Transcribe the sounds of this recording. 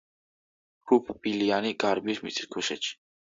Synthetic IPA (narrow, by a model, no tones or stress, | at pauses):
hʰupʰb̥ilianiɡ̥aɾbismḭt̪ʼʰi̥skʰuʃɛt̪ʃʰi̥